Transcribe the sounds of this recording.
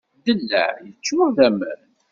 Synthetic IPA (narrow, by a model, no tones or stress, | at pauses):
d̪əlːæ̰ʕjət͡ʃːʊʁðæmə̰ɾn